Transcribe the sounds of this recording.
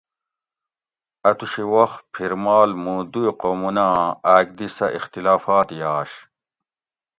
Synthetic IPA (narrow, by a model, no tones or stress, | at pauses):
ɐt̪uɕiwɐxpʰiɾmaːlmũːd̪uiqomunãːaːɡ̚d̪isɐ̰ʔixt̪ilaːfaːt̪jaːɕ